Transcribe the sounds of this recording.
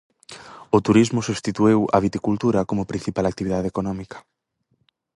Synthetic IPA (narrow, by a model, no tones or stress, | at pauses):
ʊt̪uɾizmʊsuβst̪it̪uewɐ̰β̞it̪ikult̪uɾɐkomʊpɾin̟θipalak̚t̪iβiðaðekonɔmikɐ̥